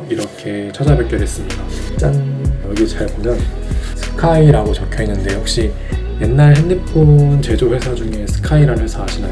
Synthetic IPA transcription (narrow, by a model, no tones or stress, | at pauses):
iɾʌkʰe̞t͡ɕʰʌd͡ʑabjʌk͈jʌɾɦe̞s͈ɯmɲidat͡ɕ͈aŋjʌɡit͡ɕaɭbomjʌn | sʰɯ̥kʰaiɾaɡot͡ɕʌkʰjoinːɯnde̞jʌk̚ɕ͈i | je̞nːaɭɦenːip͈ont͡ɕe̞d͡ʑoɸwe̞sʰad͡ʑuŋe̞sʰɯ̥kʰaiɾannwesʰaɦaɕʰina̰